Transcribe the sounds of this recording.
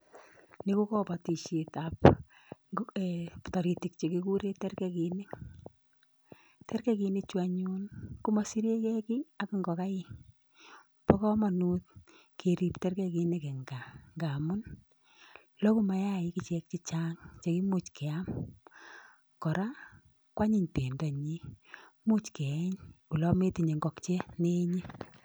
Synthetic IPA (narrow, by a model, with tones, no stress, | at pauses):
ni˦ku˦kɔ˦pa˨ti˨ʃi˨tap | ptɔ˨ɾi˨ti˨k̚t͡ʃe˨ki˦ku˦ɾe˦tɛ˦rkɛki˨nɪ˦ | tɛ˦ɾkɛ˦ki˨nɪt͡ʃwa˨ɲunku˦ma˨si˦ɾe˦kɛ˦ki˦a˦kɪ˦ŋɡɔ˨ka˦ɪ˦ | pɔ˦kɔ˦ma˨nu˦t̪̚ | kʰe˨ɾi˨ptɛ˦rke˦ki˧ne˦kɛ˨ŋɡa˨ŋɡa˨mʊ˦n | lɔ˦ku˦ma˨ja˦˨i˨˦ki˨t͡ʃɛ˨k̚t͡ʃi˦t͡ʃa˦ŋt͡ʃe˨ki˦mu˦t͡ʃkɛ˨a˦m | kɔ˨ɾa˦ | kwa˦ɲi˦˨ɲte˨nda˨ɲi˦mu˦t͡ʃke˨˦ɲu˨lɔ˦me˦ti˨ɲe˨ŋɡɔ˨kt͡ʃe˦ne˦ɲi˦